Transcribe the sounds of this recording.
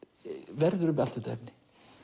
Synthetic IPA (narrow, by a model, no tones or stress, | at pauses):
vɛɾðʏɾʏmalt̪at̪ʰa̰pnːɪ̥